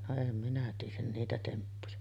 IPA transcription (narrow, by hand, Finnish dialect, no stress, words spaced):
no em minæ tiːjˑæn niːtæ tempːujɑ